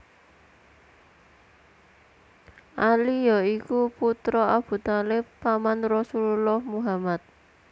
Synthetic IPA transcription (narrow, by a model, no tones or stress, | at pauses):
ʔalijɔikuput̪ɾɔab̥ṳt̪alɪppamanrɔsululɔhmuɦamat̪̚